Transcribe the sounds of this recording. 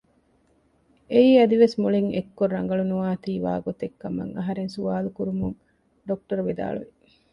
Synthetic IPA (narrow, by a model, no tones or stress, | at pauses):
eiːɐd̪iʋesmuliŋekːoɾːɐŋ̆ɡɐɭunuʋaːt̪iːʋa̰ːɡot̪ekːɐmɐ̰ŋɐɦɐɾensuaːlukuɾumuŋ | ɖok̚ʈɐɾʋid̪a̰ːɭṵʋi